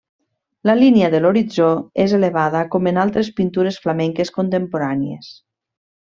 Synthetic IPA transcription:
ləliniəðeloɾid͡zoezeleβ̞aðəkomenalˠt̪ɾespint̪uɾesflamɛŋkeskont̪empoɾaniḛs

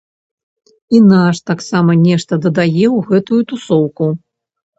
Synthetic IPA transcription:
inaʂt̪aksamɐnʲɛʂt̪ɐd̪ɐd̪ajɛwɣɛt̪ujut̪usɔwku

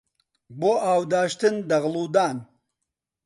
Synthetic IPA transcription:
boːaːwd̪aːʃt̪ɨnd̪ɐɣluːd̪aːn

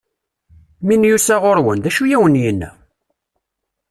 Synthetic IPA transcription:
minjusæʁʊɾwənðæʃujæwənjənːæ̰

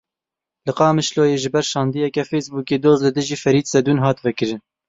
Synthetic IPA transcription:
lɨqɑːmɨʃloːjeːʒɨbɛɾʃɑːnd̪ijɛkɛfɛjsbuːkeːd̪oːzlɨd̪ɨʒiːfɛɾiːt̪sɛd̪uːnɦɑːt̪vɛkɨɾɨn

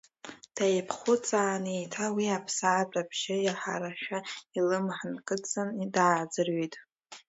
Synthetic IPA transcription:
d̥ajpʰχʊt͡sʼaːnejtʰawiapʰsaːpʼrʼabʒɪjaħa̰ɾaʃᶣailɨmħnkʼɨt͡sʼandaːd͡zɨrɥijtʼ

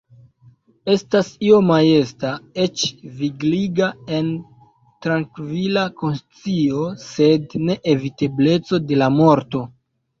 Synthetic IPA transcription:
e̞stasio̞maje̞stae̞t͡ʃviɡliɡae̞n | tɾaŋkvilako̞nst͡sio̞se̞dne̞ʔevite̞ble̞t͡so̞de̞lamo̞ɾto̞

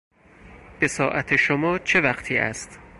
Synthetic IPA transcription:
b̥e̞sɒːʔæt̪ʰeʃomɒːt͡ʃʰe̞væqt̪ʰiːæ̰st̪

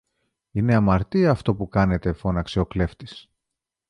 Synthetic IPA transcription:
ine̞ɐmɐɾt̪iɐːft̪o̞pukɐne̞t̪e̞fo̞nɐksio̞kle̞ft̪is

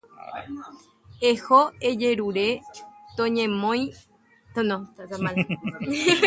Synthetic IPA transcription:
ehoed͡ʒe̞ɾuɾe̞t̪õɲẽmõj̃ | t̪onõat̪amal

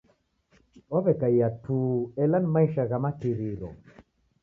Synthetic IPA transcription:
waβɛkaiatʰuːɛlanimaiʃaɣamatiɾiɾɔ̰

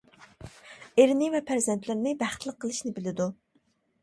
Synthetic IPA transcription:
eɾɪnɪvɛpʰæɾzɛnt̪ʰlɪɾnɪbæχt̪lˠəqʰːəlˠɨʃnɪbɪlɪd̪u

